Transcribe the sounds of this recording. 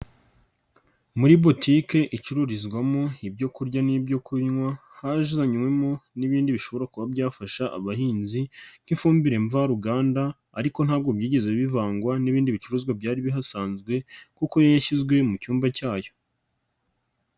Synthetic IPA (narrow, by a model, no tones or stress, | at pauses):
muɾibo̞tʰike̞ʔit͡ʃuɾuɾizɡwamo̞ibɟo̞kuɾɟanibɟo̞kʰuɾiɲŋwahaʒzaɲmwe̞moniβiːndiβiʃoβo̞ɾakuβabɟaːfaʃaʔa̰βahiːnzin̥hifuːmbiɾe̞ɱvaɾuɡaːnda̰ː | ɾiko̞n̥haːb̚ɡo̞bjiːɟe̞ze̞βivaːŋɡwaniβiːndiβit͡ʃuɾuzɡwabɟaːɾiβiɦasaːnzɡwe̞kukojajaçizɡwe̞mucuːmbacaːjo̞